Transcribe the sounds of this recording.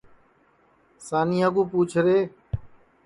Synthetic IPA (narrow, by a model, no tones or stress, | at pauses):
saːnĩːaɡũːpuːt͡ʃʰɾeː